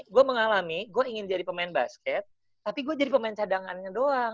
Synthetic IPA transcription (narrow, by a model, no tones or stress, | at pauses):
ɡuaməŋalamiɡuaiŋɪnd͡ʒadipəmaɪnba̰skɛt̪̚ː | apiɡuad͡ʒadipəmaɪnt͡ʃadaŋanɲadoa